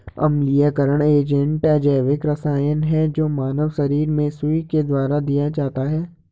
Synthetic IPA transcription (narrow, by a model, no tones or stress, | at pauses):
ɐ̰mlijakəɾəɽ̃eːd͡ʒə̃ɳʈɛːd͡ʒaːʋɪkɾɐsaːjənɦɛd͡ʒoːmaːnəʋʃɐɾiːɾmẽsʊiked̪waːɾad̪ijat͡ʃaːt̪aɦɛː